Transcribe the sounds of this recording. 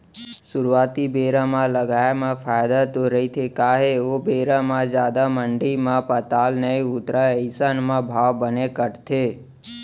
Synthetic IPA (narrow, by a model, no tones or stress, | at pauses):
sʊɾʋat̪ibeɾamãləɡajamãfʰajd̪at̪oɾəɦit̪ʰekaɦeobeɾamãd͡ʒjad̪aməɳɖimãpət̪alnəiʊt̪ɾaəɪsanmãbʱaʋbənekəʈt̪ʰe